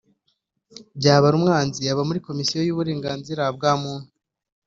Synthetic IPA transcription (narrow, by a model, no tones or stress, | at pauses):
bɟaːβaɾumŋaːnziaβamuɾiko̞misijo̞juːβuɾe̞ːŋɡaːnziɾab̚ɡaːmuːn̥u